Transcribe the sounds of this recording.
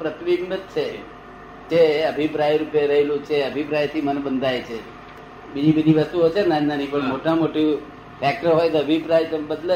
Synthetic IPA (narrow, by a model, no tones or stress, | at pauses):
pɾət̪ʋiɡmət̪̚t͡ʃʰe | d͡ʒeəbʱipɾajɾupeɾəɦelũt͡ʃʰeəbʱipɾajt̪ʰimənebənd̪ʱajt͡ʃʰe | bid͡ʒibəd̪ʱiʋəst̪uot͡ʃʰenananĩpəɳmoʈamoʈu | fʰɛk̚ʈəɾɦojt̪oəbʱipɾajt̪obəd̪lə